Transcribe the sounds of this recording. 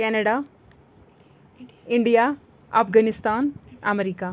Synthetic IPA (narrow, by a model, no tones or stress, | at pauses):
kɛːnɐɽaː | iɳɖijaː | ɐpɡɐnist̪aːnɐmeɾika